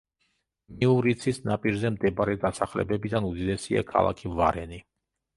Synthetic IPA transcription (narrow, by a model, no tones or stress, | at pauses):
miuɾit̪sʰisnapʼiɾzɛmd̪ɛbaɾɛd̪asaχlɛ̰bɛbid̪anud̪id̪ɛsia̰kʰa̰lˠa̰kʰiva̰ɾɛni